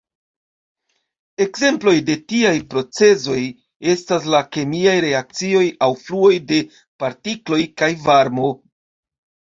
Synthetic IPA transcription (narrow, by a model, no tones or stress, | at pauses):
e̞kze̞mplo̞jde̞tiajpɾo̞t͡se̞zo̞j | e̞stas̬lake̞miajɾe̞ak̚t͡sio̞jawfluo̞jde̞ | paɾtiklo̞jkajvaɾmo̞